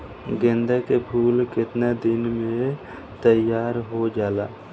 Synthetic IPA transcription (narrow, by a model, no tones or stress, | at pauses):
ɡẽnd̪akepʰuːlkɪt̪ned̪ɪnmẽ | t̪əjaːɾɦod͡ʒaːla̰ː